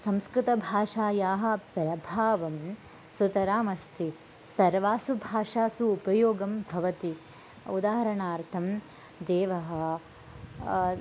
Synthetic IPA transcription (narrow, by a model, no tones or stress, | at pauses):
sɐ̃mskɾɪt̪ɐbʱaːʂaːjaːɦɐ̆pɾɐbʱaːʋɐm | sut̪ɐɾaːmɐst̪i | sɐɾʋaːsubʱaːʂaːsuːpɐjoːɡɐmbʱɐʋɐt̪i | ud̪aːɦɐɾɐɳaːɾt̪ʰɐm | d̪eːʋɐɦɐ̆